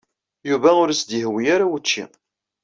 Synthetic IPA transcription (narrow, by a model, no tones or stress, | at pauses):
juvæʊɾæsd̪iɦwijaɾawət͡ʃːḭ